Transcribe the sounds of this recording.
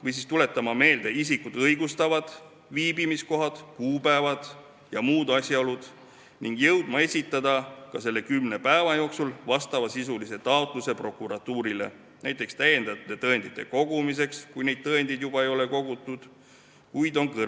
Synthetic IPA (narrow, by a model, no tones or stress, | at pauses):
vɤjs̬ist̪ule̞t̪ːˑɑmɑme̞ːld̪eis̬ikud̪ɤjɡust̪ɑvɑd̪̥ | viːbimisko̞ɦɑd̪̥kuːbæevɑd̪̥ | jɑmuːd̪̥ɑsʲjɑo̞lud̪̥ | niŋɡ̥jɤwd̪̥mɑe̞sʲit̪ːˑɑd̪̥ɑkɑse̞lːe̞kymne̞pæevɑjo̞ːksulvɑst̪ɑvɑsisulise̞t̪ɑot̪ˑluse̞pro̞kːˑuɾɑt̪ːuːɾile̞̰ | næjt̪ːˑekst̪æje̞nd̪̥ɑt̪ːe̞t̪ɤend̪it̪ːˑe̞ko̞ɡ̥umis̬e̞kskujne̞jd̪̥̚t̪ɤend̪̥id̪jub̥ɑejo̞le̞ko̞ɡ̥ut̪ːˑud̪̥ | kujd̪o̞nkɤ